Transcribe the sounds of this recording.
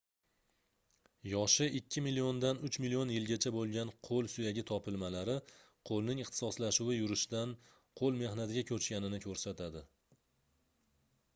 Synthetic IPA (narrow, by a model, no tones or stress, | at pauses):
jɒʃɪɪkʲʰːɪmilijond̪anʊt͡ʃmilijonjɪlɡʲat͡ʃʰabolˠɡʲanqʰolˠsʊjaɡʲɪt̪ʰɒpʰɪlmalaɾɪ | qʰolˠnɪŋɨχt̪ʰɪ̥sɒslaʃʊwɪjʊɾɪʃd̪an | qʰolˠme̞hnat̪ɪɡʲakʲʰɵt͡ʃkʲanɪnɪkʲʰɵɾsat̪ʰad̪ɪ